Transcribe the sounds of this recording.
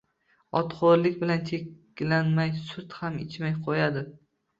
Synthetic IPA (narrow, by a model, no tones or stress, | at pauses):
ɒt̪qoɾlɪkʲbɪlant͡ʃʰek | lanmajsʊt̪hamɪ̰t͡ʃmajqʰojad̪ɪ